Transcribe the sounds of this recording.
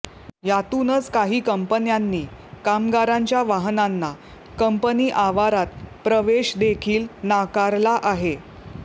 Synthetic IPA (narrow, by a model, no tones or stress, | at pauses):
jat̪unət͡skaɦiːkəmpənjanːiːkamɡaɾaɲt͡ɕjaʋaɦnanːa | kəmpəniːʔaʋaɾat̪̚pɾəʋeɕd̪ekʰiːlnakaɾlaʔaɦe